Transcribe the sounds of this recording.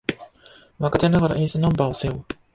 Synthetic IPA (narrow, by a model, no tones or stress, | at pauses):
βakat̪enaɡaɾa̰ʔeːsɨnãmbaoseo